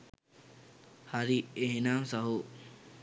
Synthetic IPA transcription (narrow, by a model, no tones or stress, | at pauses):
haɾieɦenamsaɦo